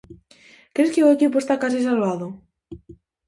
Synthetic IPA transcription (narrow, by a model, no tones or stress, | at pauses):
kɾeskeoekip̬oest̪akas̬is̬alβaðʊ